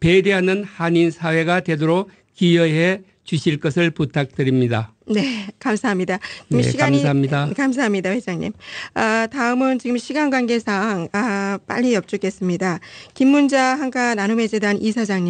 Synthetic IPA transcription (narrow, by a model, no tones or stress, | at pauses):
pedeɦanɯnhaɲinsʰawe̞ɡatwe̞doɾo | kijʌɦe | t͡ɕuɕʰiɭk͈ʌsʰɯɭputʰak̚t͈ɯɾimɲida | ne̞kamsʰaɦamɲidat͡ɕiɯmɕʰiɡaɲamɲidakams̬ʰaɦamɲidawed͡ʑaŋɲḭmʌtaɯmɯnt͡ɕiɡɯmɕʰiɡanɡwanɡe̞sʰaŋap͈a̰ʎːiʌp̚t͡ɕ͈uk͈e̞s͈ɯmɲidakimːund͡ʑaɦaŋkʰananume̞d͡ʑedanʔisʰad͡ʑaŋɲi